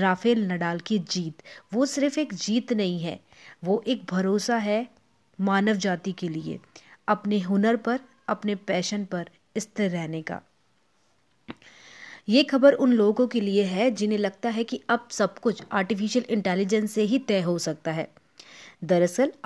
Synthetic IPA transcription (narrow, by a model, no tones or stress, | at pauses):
ɾaːfeːlnɐɖaːlkid͡ʒiːt̪ʋosɪɾfeːkd͡ʒiːt̪nɐɦĩɦɛ̰ː | ʋoːʔeːk̚bʱɐɾoːsaɦɛ | maːnəʋd͡ʒaːt̪ikeliḛɐpneɦʊnəɾpɐɾ | ɐpnepɛːʃənpɐɾ | ɪst̪eɾɛːneka̰ː | jeːxɐbəɾʊnloːɡõkelieɦɛd͡ʒɪnẽlɐɡ̚t̪aɦɛkiɐb̚sɐb̚kʊt͡ʃʰaːɾʈɪfɪʃəlɪ̃ɳʈɛːlɪd͡ʒə̃nsːeɦit̪ɛːɦosɐk̚t̪aɦɛː | d̪ɐɾəsəl